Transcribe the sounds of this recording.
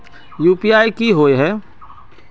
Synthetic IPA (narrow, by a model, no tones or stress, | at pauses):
juːpiaːikiɦoːeɦɛː